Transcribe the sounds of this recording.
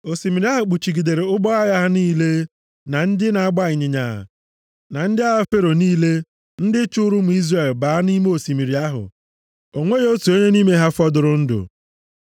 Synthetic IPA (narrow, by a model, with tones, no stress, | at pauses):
o˨si˨mi˨ɾi˦a˦ɦʊ˨k͡pu˨t͡ʃi˨ɡi˨de˨ɾe˨ʊ˦ɡ͡bɔ˦a˦ja˦ɦa˦niː˦le˦ | na˨n̩˦dɪ˦na˨a˦ɡ͡ba˦ɪ˨ɲɪ˨ɲa̰˨ | na˨n̩˦dɪ˦a˦ɦa˦fe˦ɾo˨niː˦le˦ | n̩˦dɪ˦t͡ʃʊ˦ɾʊ˦m̩˨i˦zre˨lbaː˨a˦ni˦me˦o˨si˨mi˨ɾi˨a˦ɦʊ̰˨ | o˨ŋʷe˦jo˦tu˨e˦ɲe˦ni˦me˦ɦa˦fɔ˦dʊ˨ɾʊ˨n̩˦dʊ̰˨